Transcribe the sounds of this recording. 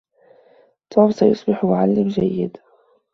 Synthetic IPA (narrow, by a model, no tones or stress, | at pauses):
t̪ˤʰuːbsajʊsˤbɪħmʊʕalːɪmd͡ʒajːɪd̪